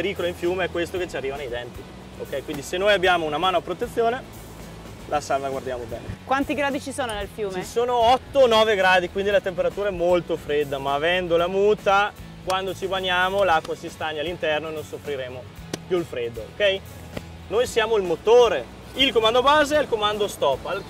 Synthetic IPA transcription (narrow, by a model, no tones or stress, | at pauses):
eɾiːkoloiɱfjuːmeɛkːwest̪oket͡ʃiariːvanejd̪ɛnt̪i | o̰kːɛjkwind̪isenːoːjabːjaːmounamaːnoapɾot̪et̪sːjoːne | lʔasalvaɡward̪jaːmobɛ̰ːnekwant̪iɡɾaːd̪it͡ʃisoːnonelfjuːt͡ʃmeisoːnoɔt̪ːonɔːveɡɾaːd̪ikwind̪ilat̪empeɾat̪uːɾaɛmːolt̪ofɾed̪ːamaːvɛnd̪olamuːt̪a | kwand̪ot͡ʃibaɲaːmolakːwasist̪aɲːalːint̪ɛrnoenonsofɾiɾeːmo | pjulfɾed̪ːoo̰kɛj | nojsjaːmoilmot̪oːɾe | ilkomand̪obaːzeɛilkomand̪ost̪ɔpːal